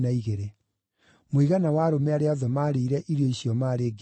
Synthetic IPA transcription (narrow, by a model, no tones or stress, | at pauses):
naiɣeɾe | moiɣanawaɾomɛaɾeaɔðɔmaːɾeiɾɛʔiɾioiɕiɔmaɾeːɡ